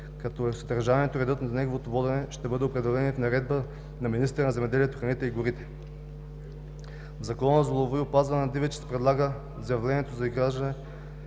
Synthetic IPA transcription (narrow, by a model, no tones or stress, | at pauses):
kɐt̪ɔɛsɐd̪ɐɾʒaniɛt̪oɾɛd̪ɤt̪nɐnɛɡovot̪ovɔd̪ɛnɛʃt̪ɛbɤd̪ɛopɾɛd̪ɛlɛnifnɐɾɛd̪̚bə | nɐminist̪ɾənɐzɛmɛd̪ɛliɛt̪oxɾɐnit̪ɛiɡʊɾit̪ɛ̥ | vzɐkɔnəzolˠovoiʊpazvɐnnɐd̪ivɛt͡ʃɛ̥sɛ̥pɾɛd̪lˠaɡə | zjɐvlɛnʲiɛt̪ozɐizɡɾaʒd̪ɐnɛ